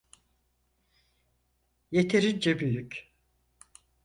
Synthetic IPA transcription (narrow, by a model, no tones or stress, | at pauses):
je̞t̪ʰeɾind͡ʒɛbyjyc